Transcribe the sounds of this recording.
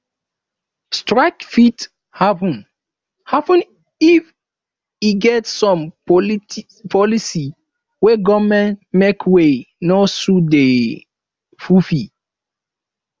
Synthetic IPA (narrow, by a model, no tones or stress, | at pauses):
stɹaɪkfit | hapɔ̃n | hapə̃n | if | iɡɛtsɔ̃m | pʰɔlisi | wɛɡɔmɛ̃ntmekwe | nosude | fufi